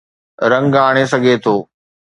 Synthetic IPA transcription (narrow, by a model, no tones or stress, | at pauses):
ɾɐ̃ŋɡaːɽ̃esɐɡʱet̪ʰoː